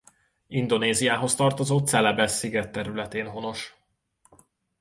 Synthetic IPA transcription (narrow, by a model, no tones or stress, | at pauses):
ind̪o̞neːzijaːɦo̞st̪ɒrt̪o̞zoːt̪sɛlɛbɛsːiɡɛt̪ːɛɾylɛt̪eːnɦo̞no̞ʃ